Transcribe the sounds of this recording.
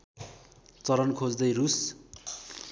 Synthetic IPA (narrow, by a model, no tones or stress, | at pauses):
t͡sʌɾʌnkʰod͡zd̪ʌjrus